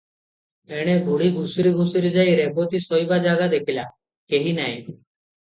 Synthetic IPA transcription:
eːɽ̃ebʱuɽiɡʱusɾiɡʱusiɾid͡ʒaːjɾɛbot̪isɔjbad͡ʒaːɡad̪ekʰilaː | keɦiːnaːj

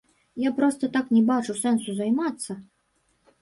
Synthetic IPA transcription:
japɾɔst̪ɐt̪aknʲɛbat͡ʂusɛnsuzajmat̪sːɐ

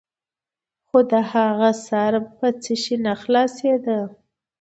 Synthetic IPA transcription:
xod̪əhaɣasɑɾpət͡səʃinaxlɑsed̪ə

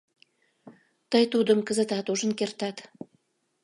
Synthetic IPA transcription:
t̪əjt̪ud̪ə̆mkə̆zə̆t̪ɑt̪uʒənkert̪ɑt̪

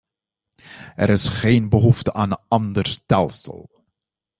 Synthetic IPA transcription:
ɛ̰ɾɪsχejnbəɦuftəʔaːnənɑndərstɛlˠsə̰lˠ

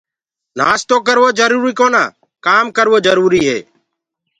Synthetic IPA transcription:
na̰ːst̪oːkəɾʋoːd͡ʒəɾuːɾiːkoːna̰ː | kaːmkəɾʋoːd͡ʒəɾuːɾiːɦḛː

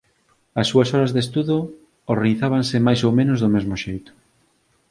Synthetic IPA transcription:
ɐsːuɐsɔɾɐzðest̪uðo | oɾriθaβ̞ansɪmajsowmẽnʊzðʊmezmʊʃejt̪ʊ̥

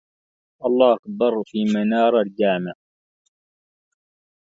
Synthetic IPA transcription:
ʔɑlˤːɑːhakb̪ɑɾˤfiːmanɑːɾˤald͡ʒaːmɪʕ

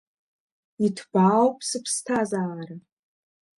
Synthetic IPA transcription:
itʰb̥awpʰʼsɨpʰstʰazaːɾa

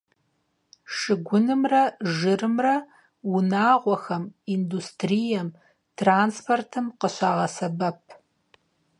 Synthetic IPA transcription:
ʂɨɡʷʊnɨmrɐʒɨrɨmrɐ | wʊnaːʁʷɔxɐmiːndustʰrijɐm | tʰraːnspʰortʰɨmqəɕaːʁɐsɐbɐp̚ʰ

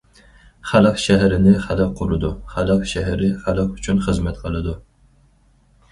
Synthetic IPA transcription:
χælˠɨqʃɛɦæɾɪnɪχælˠɨqʰːʊɾɨd̪uχælˠɨqʃɛɦæɾɪχælˠɨqyt͡ʃʰynχəzmɛt̪qʰəlˠɨd̪u

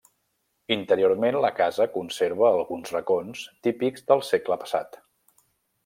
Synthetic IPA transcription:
int̪əɾioɾmenləkazəkunseɾβ̞əːlˠɣunzrəkonst̪ipiɡzðəlˠsekləpə̥sa̰t̪

